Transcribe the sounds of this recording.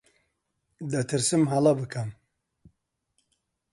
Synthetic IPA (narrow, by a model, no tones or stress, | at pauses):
d̪ɐt̪ʰɨɾsɨmɦalabɨkʰɐm